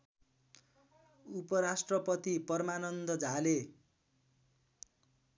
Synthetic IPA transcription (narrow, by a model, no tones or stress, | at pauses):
upʌɾasʈrʌpʌt̪ipʌrmanʌnd̪ʌd͡zale